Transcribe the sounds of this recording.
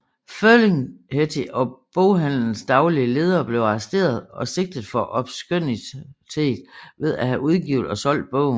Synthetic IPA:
føleŋhet͡sʰiʔɒ̽b̥oʊɦæn̰ln̩sd̥ɑ̈ʊliəle̝ːð̞ˠɐːb̥le̝ʊɑ̈sd̥e̝̰ːɐð̞ˠɒ̽se̝ɡ̥̚d̥əð̩ˠfɒ̽ʔɒ̽b̥sɡ̥øn̰it͡sʰe̝̰ːd̥ʋe̝ð̞ˠæɦæʔuðˠɡ̥iʊðˠɒ̽sɒ̽l̰d̥̚b̥ɔ̰ʊ̰n

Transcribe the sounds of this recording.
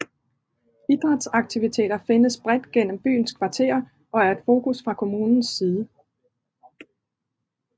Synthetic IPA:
id̥ʁɑd̥sɑ̈ɡ̥̚t͡sʰiʋit͡sʰe̝̰ːd̥ɐfe̝nəsb̥ʁɛd̥ɡ̥en̰m̩b̥y̰ːn̩skʰʋɑ̈t͡sʰe̝̰ɐ | ʔɒ̽æɐe̝d̥fo̝ːkʰusfʁɑ̈kʰo̝muːnn̩sːiːð̞ˠə

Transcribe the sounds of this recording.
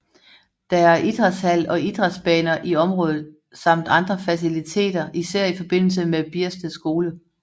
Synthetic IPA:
d̥ɑ̈æɐʔid̥ʁashæl̰ɒ̽ʔid̥ʁɑsb̥ɛːnɐʔiɒ̽mʁɔ̽ːðˠð̞̩ˠ | sɑ̈m̰d̥ɑ̈nd̥ʁɐfæsilit͡sʰe̝̰ːd̥ɐʔisæɐ̰ifɒ̽b̥e̝n̰l̩səmeb̥iɐsd̥əsɡ̥o̝ːlə

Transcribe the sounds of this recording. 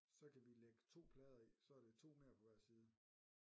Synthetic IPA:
sɒ̽kʰæʋileɡ̥ə̥t͡sʰo̝̰ːpʰlɛːð̞ˠɐisɒ̽æɐd̥e̝t͡sʰo̝̰ːmeɐ̰pʰɒ̽ʋæɐ̰siːð̞ˠə

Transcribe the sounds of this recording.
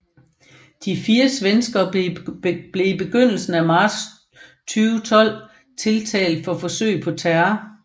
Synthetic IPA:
d̥ifiːɐsʋensɡ̥ɐ | b̥le̝ib̥e̝ɡ̥øn̰l̩sn̩æmɑ̥̈ːs | t͡sʰyːʊət͡sʰɒ̽l̰ | t͡sʰe̝lt͡sʰɛ̰ːld̥fɒ̽fɒ̽sø̰ɪpʰɒ̽t͡sʰæɐ

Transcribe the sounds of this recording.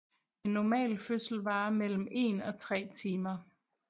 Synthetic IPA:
e̝nːɒmɛ̰ːlføsl̩ʋɑ̈ːmel̰m̩e̝nɒ̽t͡sʰʁɛ̰ːt͡sʰiːmɐ

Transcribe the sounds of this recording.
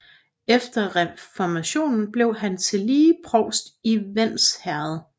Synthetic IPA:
efd̥ɐʁɛfɒmæɕo̝̰ːnn̩b̥le̝ʊɦænt͡sʰe̝liːpʰʁɒʊsd̥iʋen̰shæɐð̩ˠ

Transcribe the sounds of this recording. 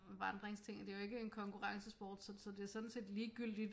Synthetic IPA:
ʋɑ̈nd̥ʁeŋst͡sʰe̝ŋ̰d̥e̝jo̝e̝ɡ̥əe̝nkʰɒ̽ŋkʰuʁɑ̈ŋsəsb̥ɒ̰ːd̥sɒ̽sɒ̽d̥e̝æɐsɔ̽d̥n̩se̝̰ːd̥liːɡ̥yl̰d̥id̥

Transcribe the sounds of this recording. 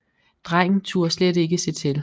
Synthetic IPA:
d̥ʁaŋ̰n̩t͡sʰṵɐsledɾe̝ɡ̥əse̝t͡sʰe̝l

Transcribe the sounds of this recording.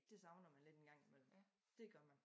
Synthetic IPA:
d̥e̝sɑ̈ʊnɒmænle̝d̥enɡ̥ɑ̈ŋ̰imel̰m̩ | d̥e̝ɡ̥ɶɐmæn

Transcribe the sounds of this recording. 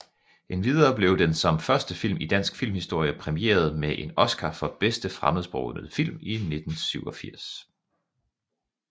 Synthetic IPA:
ʔe̝nʋiðˠɐːb̥le̝ʊd̥ensɒ̽mfɶɐsd̥əfil̰mid̥æn̰sɡ̥fil̰mhisd̥o̝ɐ̰jəpʰʁɛmiḛːɐð̞̩ˠmeʔe̝nɒ̽sɡ̥ʰɑfɒ̽b̥esd̥əfʁaməðˠsb̥ʁoʊnð̩ˠfil̰mine̝d̥n̩syʊɒ̽fiɐ̰s

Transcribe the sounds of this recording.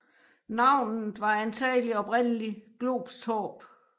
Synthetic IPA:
nɑ̈ʊ̰nð̩ʋɑ̈ænt͡sʰɛ̰ːliɒ̽b̥ʁen̰əliɡ̥loːb̥sʰɔːb̥

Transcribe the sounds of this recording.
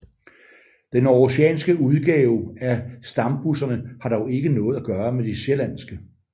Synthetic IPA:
d̥enɒɕeɛ̰ːnsɡ̥əuð̞ˠɡ̥ɛːʊæsd̥ɑ̈mb̥usɐnəhɑ̈d̥ɒʊe̝ɡ̥ənɔ̽ːð̩ˠæɡ̥ɶːɐmed̥iɕelæn̰sɡ̥ə

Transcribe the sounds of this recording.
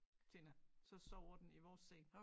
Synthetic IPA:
t͡sʰensɒ̽sɒʊ̰ɐd̥eniʋɒːsːḛn

